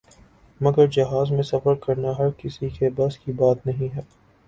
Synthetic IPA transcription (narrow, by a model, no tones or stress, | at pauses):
mɐɡəɾd͡ʒɐɦaːzmẽsɐfəɾkɐɾnaɦɐɾkɪsikebɐskibaːt̪nɐɦĩɦɛː